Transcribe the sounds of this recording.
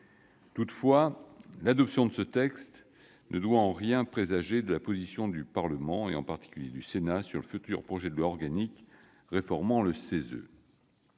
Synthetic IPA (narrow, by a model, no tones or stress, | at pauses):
t̪ut̪fwalad̪ɔpsjɔ̃d̪əsət̪ɛkst̪ | nʔəd̪waɑ̃ʁjɛ̃pχezaʒed̪əlapozisjɔ̃d̪ypaʁləmɑ̃eɑ̃paʁt̪i̥kʲyljed̪ysenasyʁləfyt̪yʁpχɔʒɛd̪əlwaɔʁɡanik | ʁefɔʁmɑ̃ləsezø̰